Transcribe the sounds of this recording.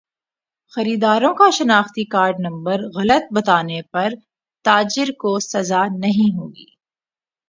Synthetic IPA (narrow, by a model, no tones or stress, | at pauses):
xɐɾiːd̪aːɾõkaʃɐnaːxt̪ikaːɾɖnɐ̃mbəɾɣɐlət̪̚bɐt̪aːnepɐɾ | t̪aːd͡ʒɪɾkosɐzanɐɦĩɦoːɡḭː